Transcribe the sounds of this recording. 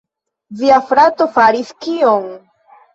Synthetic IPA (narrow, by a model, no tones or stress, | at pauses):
viafɾatofaɾiskioŋ